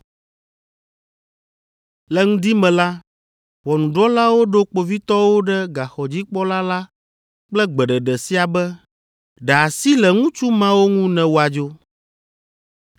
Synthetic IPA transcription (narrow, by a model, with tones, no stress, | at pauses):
lɛ˦ŋũ˦d̪i˦mɛ̃˨la˦ | wɔ˨nũ˨ɖɔ˦la˦wo˦ɖo˦k͡po˨vi˦t̪ɔ˦wo˦ɖɛ˦ɡa˨xɔ˨d͡ʑi˦k͡pɔ˦la˦la˦ | k͡plɛ˦ɡ͡bɛ˨ɖɛ˨ɖɛ˨si˦a˨bɛ˦ | ɖɛ˨a˨si˦lɛ˨ŋũ˦t͡ʃu˦mã˦wo˦ŋũ˦nɛ̃˨wo˨a˨d͡ʒo˦